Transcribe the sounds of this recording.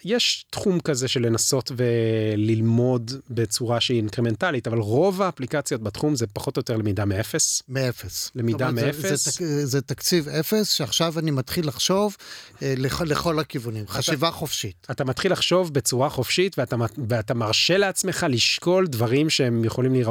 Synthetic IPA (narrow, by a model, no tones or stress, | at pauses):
jeʃtχumkazeʃe̞le̞naso̞tve̞lilmo̞dbe̞t͡suʁaʃeiːnkʁeme̞ntalitavalʁo̞vaːplikat͡sjo̞t̚batχumzepaχo̞t̪ojo̞te̞ʁlemidameefesmeefeslemidameeffeszet̪akt͡sivefesʃeaχʃavanimat̪χilːaχʃo̞vleleχo̞lakivunimχaʃivaχofʃitat̪amat̪χilːaχʃo̞vbe̞t͡suʁaχo̞fʃitveatamveatamaʁʃe̞le̞at͡sme̞χaliʃko̞ldvaʁimʃehemjeχolimliʁa